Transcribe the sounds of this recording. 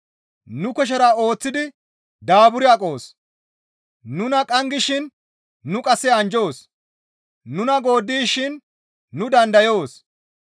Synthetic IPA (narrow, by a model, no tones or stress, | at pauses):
nʊkɛʃ̬ɐɾɐo̞ːt͡sːɪd̪ɪ | d̪aːbʊɾɪɐkʼo̞ːs | nʊnɐkʼɐŋɡɪʃɪnː | ʊkʼɐsːɛɐnd͡ʒo̞ːs | nʊnɐɡo̞ːd̪ːiːʃɪnː | ʊd̪ɐnd̪ɐjo̞ːs